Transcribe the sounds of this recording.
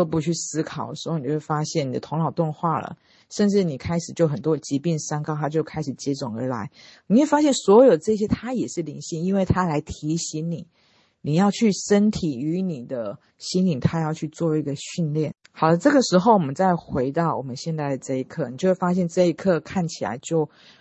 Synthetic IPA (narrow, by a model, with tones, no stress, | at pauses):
o˥˧p̬u˧˩t͡ɕʰy˥˩sɹ̩˥kʰɑ˨˩ʊd̪ə˧ʂ̩˧˥˧ni˨˩o˥˧wfa˥ɕjɛ˥˩ni˨˩d̪ə˦t̪ʰʊ˧˥ŋlɑ˨˩ʊt̪ʊ˥˧ŋxwa˥˩lə̰˩ | ʂə˥˧nʈ͡ʂɻ̩˥˩ni˨˩kʰa˥ɪʂɻ̩˨˩t͡ɕjo˥˩ʊxə˨˩nt̪wɔ˥t͡ɕi˧˥pi˥˩ŋʂa˥ŋkɑ˥ʊt̪ʰa˥t͡ɕjo˥˩ʊkʰa˥ɪʂɻ̩˨˩t͡ɕjɛ˧˥t͡sʊ˨˩ŋə̰˞˧˥la̰˧˥ɪni˨˩we˥˩ɪfa˥ɕjɛ˥˩nswɔ˧˥jo˨˩ʊdə˩ʈ͡ʂɤ˥˧i˩ɕjɛ˥t̪ʰa˥jɛ˨˩ʂɻ̩˥˩li˧˥nɕi˥˧ŋi˥nwe˥˩ɪt̪ʰa˥la˧˥ɪt̪ʰi˧˥ɕi˧˥ŋni˨˩˦ | ni˨˩jɑ˥˧ʊt͡ɕʰy˥˩ʂə˥nt̪ʰi˨˩y˧˥ni˨˩d̪ə˦ | ɕi˧˥nli˨˩ŋt̪ʰa˥jɑ˥˧ʊt͡ɕʰy˥˧t͡swɔ˥˧i˧˥ɡə˧ɕy˥˧nljɛ˥˩n | xɑ˨˩ʊd̪ə˦ʈ͡ʂɤ˥˩ɡə˩ʂɻ̩˧˥xo˥˩ʊwɔ˨˩mə˦nt͡sa˥˩ɪxwe˧˥ɪt̪ɑ˥˩ʊwɔ̰˨˩mə˦nɕjɛ˥˧nt̪a˥˩ɪd̪ə˩ʈ͡ʂɤ˥˩i˧˥kʰɤ˥˩ni˨˩t͡ɕjo˥˧ʊwe˥˩fa˥ɕjɛ˥˧nʈ͡ʂɤ˥˩i˧˥kʰɤ˥˧kʰa˥˩nt͡ɕʰi˨˩la̰˧˥ɪt͡ɕjo˥˧ʊ